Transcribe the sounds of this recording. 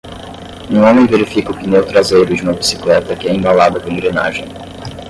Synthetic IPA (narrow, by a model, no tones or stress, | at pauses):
ũõmẽj̃veɾifikɐʊpinewt̪ɾazejɾʊd͡ʒɪũmɐbisi̥klɛt̪ɐkɪɛẽbalad̪ɐpõɾ̃ẽŋɡɾena̰ʒẽj̃